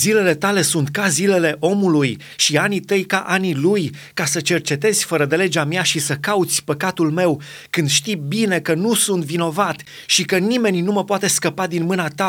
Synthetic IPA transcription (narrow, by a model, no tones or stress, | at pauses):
zile̞le̞t̪ale̞sunt̪̚kazile̞le̞ʔo̞muluj | ʃianit̪əjkaʔaniluj | kasət͡ʃe̞rt͡ʃe̞t̪e̞zʲfəɾəd̪e̞le̞d͡ʒamjaʃisəkaut̪sʲpəkat̪ulme̞w | kɨnd̪ʃt̪ibine̞kənusunt̪vino̞vat̪ | ʃikənime̞nʲnuməpoat̪e̞skəpad̪inmɨnat̪a